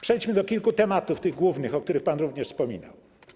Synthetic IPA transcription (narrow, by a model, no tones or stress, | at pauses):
pʂɛjt͡ɕmɘd̪ɔkʲilkut̪ɛmat̪uft̪ɘɣɡwuvnɘxɔk̚t̪uɾɘxpanɾuvɲɛʂspɔmʲḭna̰w